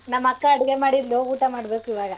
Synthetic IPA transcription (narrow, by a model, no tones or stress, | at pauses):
nɐmːɐkːɐːɽuɡemaːɽid̪louːʈɐmaːɽbeːkuiʋaːɡɐ